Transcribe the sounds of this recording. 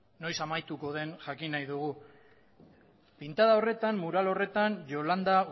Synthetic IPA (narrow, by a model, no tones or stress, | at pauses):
no̞jsamajt̪uko̞ð̞e̞nʝakinajðuɣu | pint̪aðao̞re̞t̪anmuɾalo̞re̞t̪anʝo̞land̪aɣ